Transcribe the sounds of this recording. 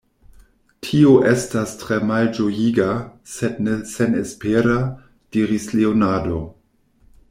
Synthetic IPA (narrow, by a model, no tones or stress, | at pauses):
tʰioʔestastɾemald͡ʒojiɡasednesenespeɾa | d̥iɾislionado̞